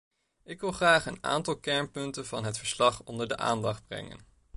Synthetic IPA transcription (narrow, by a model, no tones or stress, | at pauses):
ɪkʋɪlˠχraːχəna̰ːntɑlˠkɛɹnpɵntənvɑnɦətfəɹslɑχɔndəɹdəʔa̰ːndɑχd̚brɛ̰ŋə̰n